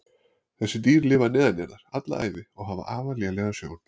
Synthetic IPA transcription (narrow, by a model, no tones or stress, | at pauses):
θɛsːɪt̪iːɾlɪːvanɛːðanjɛɾnaɾ̥at̪la̰a̰ːjðɪɔɣɦava̰ʔaːvalɛɣalɛːɣasjo̰ːwn̥